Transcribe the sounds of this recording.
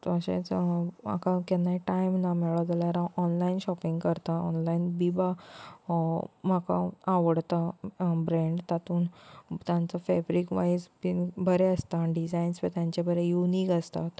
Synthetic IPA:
t̪əɕḛ̃t͡sma̰kakɛnːaɦiʈajmnamɛɭɔd͡zaljaɾãʔɔnlainɕɔpĩŋɡkəɾt̪aɔ̰nlainbiba | maka̰aʋəɽt̪abɾẽɳɖt̪at̪uːnt̪jãnt͡sɔfɛbɾikʋaisbibʱəɾeəst̪aɳɖid͡zainspet̪jãɲt͡ɕabʱəɾejunikəst̪at̪

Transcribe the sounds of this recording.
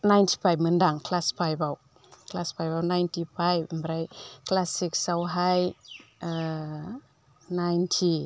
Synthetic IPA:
najntʰi̥pʰajb̚mɨndaŋklaspʰajbaw | klaspʰajbawnajntʰipʰajbmbɾajklasiksawɦaj | najntʰi

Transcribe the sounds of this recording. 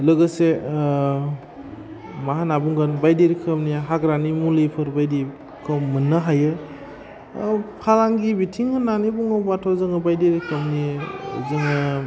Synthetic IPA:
lɯɡɯse | maɦanabuŋɡanbajdiɾikʰɯmniɦaɡɾanimulipʰɯɾbajdi | kʰɯmːɯnːɯɦajɯ | pʰalaŋɡibitʰiŋɯnanibuŋɯbatʰowzɯŋɯbajdiɾkʰɯmnizɯŋɯ

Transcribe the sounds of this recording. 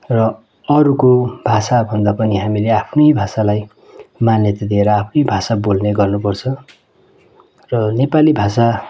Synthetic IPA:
rʌ | ʌɾukobʱasabʱʌnd̪apʌniɦamileapʰnʌjbʱasalaj | manjʌt̪ad̪ieɾʌapʰnʌjbʱasabolneɡʌrnupʌrt͡sʰʌ | rʌnepalibʱasa

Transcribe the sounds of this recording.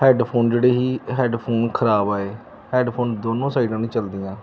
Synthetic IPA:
hɛːɖpʰoːnd͡ʒeːɽeːɦiːɦɛːɖpʰoːnkʰəɾaːbaːeː | hɛːɖpʰoːnd̪oːnõːsaːiɖãːnĩːt͡ʃəld̪ijãː

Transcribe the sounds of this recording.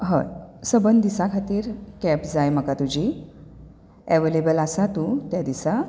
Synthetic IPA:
ɦə̰̃səbənd̪isakʰat̪iːɾkɛpd͡zajm̤əkat̪ud͡ʑi | ɛʋelebəlasat̪ut̪jad̪isa

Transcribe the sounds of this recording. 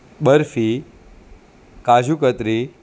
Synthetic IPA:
ɓəɾfi | kad͡ʒukət̪ɾi

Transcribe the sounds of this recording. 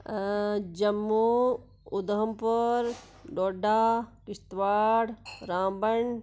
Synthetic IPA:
d͡ʑɐmːu | ud̪ɦɐmpoɾ | ɖoːɖaːkɪst̪ʋaːɽɾãːmbəɳ

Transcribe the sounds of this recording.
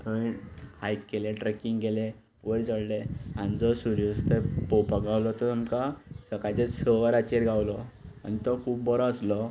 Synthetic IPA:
t̪ʰɔhajkkːelẽʈɾekiŋɡɡele | ʋəɾd͡zəɽleand͡zɔsuɾjust̪əpopaɡawlɔt̪ɔamkasəkajt͡sesəʋaɾat͡ɕeɾɡʱawlɔa̰nit̪ɔkʰuːbbɔɾɔ̃əslɔ

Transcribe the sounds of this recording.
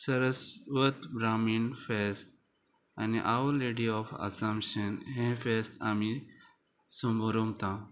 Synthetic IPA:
səɾəsʋət̪bɾaminfest̪ | aniʔaʋəleɖiɔfɐ̰sampɕənɦẽfest̪ami | səmbəɾomt̪ã

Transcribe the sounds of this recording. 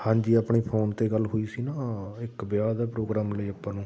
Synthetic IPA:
hãːɲd͡ʒiːaːpɳeːpʰoːnt̪eːɡəlːɦoːiːsiːnaːɪkbjaːd̪apɾoːɡɾaːmləiːəpːãːnũː

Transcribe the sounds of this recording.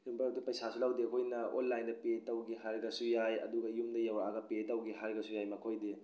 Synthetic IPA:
imbatipɐjsasulawdeɐkʰojnɐo̰nlajndɐpetɐwɡiɦaɾɡɐsujajɐ̰duɡɐjumdɐjawɾaaɡɐpetawɡiɦaɾɡɐsujajmɐkʰojde

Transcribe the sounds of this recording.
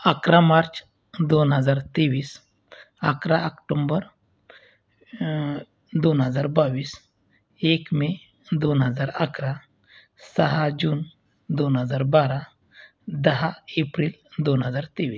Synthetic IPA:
akɾamaɾt͡ʃ | d̪onɦəd͡zaɾt̪eʋiːs | akɾaəkʈombəɾ | d̪onɦəd͡zaɾbaʋiːs | ekme | d̪onɦəd͡zaɾakɾa | səɦad͡ʒuːn | d̪onɦəd͡zaːɾbaɾa | d̪əɦaepɾild̪onɦəd͡zaːɾt̪eʋiːs

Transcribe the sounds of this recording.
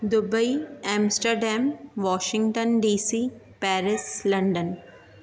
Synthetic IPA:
d̪ʊbəiɛ̃ːmsʈəɾɖɛ̃ːmʋɔːʃɪ̃ŋɡʈə̃nɖiːsiː | pɛːɾɪslɐ̃ɳɖə̃n

